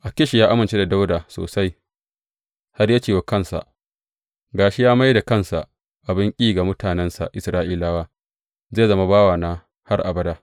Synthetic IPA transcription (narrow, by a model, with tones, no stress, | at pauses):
ʔa˨kʲɪ˦ʃi˨jaː˦ʔa˦mɪ˨nt͡ʃe˦da˨da˦wdaː˨so̰ː˨sa˦j | ha˦rja˦t͡ʃeː˨wa˨˦kɐ˦nsa̰˨ʔ | ɡaː˨ʃi˦jaː˦ma˦jda˨kɐ˦˨nsa̰˨ | ʔa˨bɪ˦ŋkʲʼiː˦ɡa˨mʊ˦tʰaː˨nɛ˦nsa̰˨ʔɪ˨sɾaː˦ʔiː˦laː˦waː˦ | zeː˦˨zɐ˦ma˦baː˦waː˨naː˦ | ha˦rʔa̰˨bɐ˦daː˦